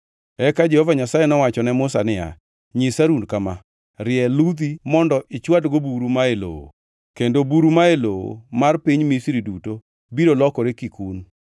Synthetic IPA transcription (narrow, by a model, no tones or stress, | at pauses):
ɛkad͡ʒɛhovaɲasajenɔwat͡ʃɔnɛmʊsanɪja̰ | ɲɪsaɾunkama | ɾɪɛlud̪imɔndɔʔɪt͡ʃwadɡobuɾumaelo̰o̰ | kendobuɾumaeloo̰marpiɲmisiɾiduto | biɾolɔkɔɾekikun